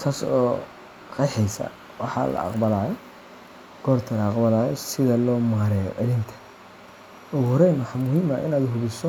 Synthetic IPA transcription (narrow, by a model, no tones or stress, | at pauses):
t̪ʰaːsɔ̰ː | qɑjħɛjsɐ̰ | wɑħɑ̰lɐ̰ɑ̰qbɐlaːjɔ | ɡ̥ɔːrt̪ʰɐlɐɑqbɐlaːjɔsɪðɐlɔːmaːɾɛːjɔ̰ʔɛɾɪnt̪ʰɐ̥ | ɔːhɔɾɛjnwɑħɑmʊɦiːmɐ̰ʔɪ̰naːd̪ʊɦʊβɪsɔ